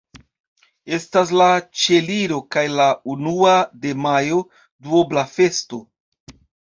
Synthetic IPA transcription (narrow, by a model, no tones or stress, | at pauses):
e̞stas̬lat͡ʃe̞liɾo̞kajlaunuade̞majo̞ | duoblafe̞sto̞